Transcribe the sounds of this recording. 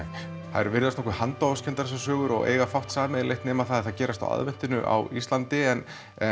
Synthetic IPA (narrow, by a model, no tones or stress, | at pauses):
θa̰ðɛɾvɪɾðast̪ɔkvʏɾhant̪ɔascʰɛnt̪aɾssasœːɣʏɾɔ̰ɣḛːjɣafawht̪saːmɛleht̪nɛːmaθaððθaðcɛːɾast̪a̰wʔa̰ðvɛn̥t̪ɪnʏʔa̰wist̪lant̪ɪɛn | ɛ